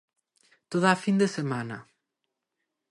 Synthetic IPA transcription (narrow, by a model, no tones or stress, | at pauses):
t̪oðaːfind̪esemanɐ̰